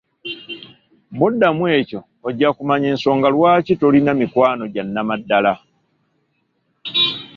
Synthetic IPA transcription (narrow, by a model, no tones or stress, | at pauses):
bodːamwe̞ːco̞ːɟːakumaɲeːnso̞ːŋɡalwaːcitolinamikwaːno̞ɟanːamadːala